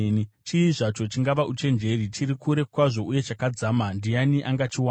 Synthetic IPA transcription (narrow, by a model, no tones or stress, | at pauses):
t͡ʃiːʐat͡ʃo̞t͡ʃiŋɡaʋaʔut͡ʃe̞nd͡ʒe̞rit͡ʃiɾikuɾe̞kwaʐo̞uje̞t͡ʃakad͡zaːmandijaniʔaŋɡat͡ʃiwa